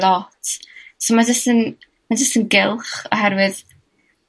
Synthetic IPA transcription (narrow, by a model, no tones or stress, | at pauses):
lɔtʰsomand͡ʒəstən | mand͡ʒəstənɡɪlˠχɔ̰ɦɛɾwɨð